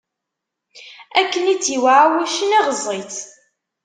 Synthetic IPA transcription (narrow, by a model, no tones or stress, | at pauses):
ækːənit͡sːiwʕawæʃənæʁəzˤit͡s